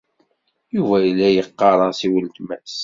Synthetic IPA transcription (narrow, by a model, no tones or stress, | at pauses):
juvæjlːæjəqːɑɾˤɑsiwəlt̪mæs